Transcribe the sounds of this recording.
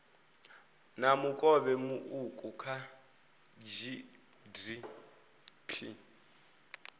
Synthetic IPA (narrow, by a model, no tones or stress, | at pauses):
namukʼɔβɛmuʔukʼukʰa | d͡ʒi | di | pʰi